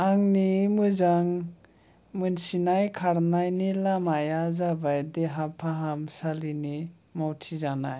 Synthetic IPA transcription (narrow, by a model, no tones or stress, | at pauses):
aŋnimɯzaŋ | mɯnsinajkʰaɾnajnilamajazabajdeɦapʰaɦamsalini | mawtʰizana̰j